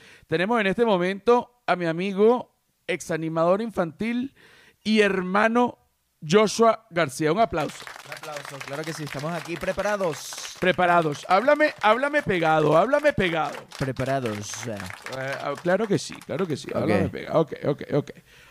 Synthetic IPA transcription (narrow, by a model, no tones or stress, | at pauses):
t̪e̞ne̞mose̞ne̞st̪emõ̞mẽnt̪o̞ | amiamiɣo | e̞ksanĩmað̞o̞ɾiɱfant̪il | ieɾmãno | ʝoʃwaɣaɾsiauŋaplawso̥uŋaplawsoklaɾokesiest̪amosakipɾepaɾaðospɾepaɾaðosaβlameʔaβlamepeɣaðoaβlame̞peɣaðopɾepaɾaðos | a̰klaɾo̞ke̞sḭklaɾo̞kesḭa̰βlamepḛɣa̰okḛjokḛjokej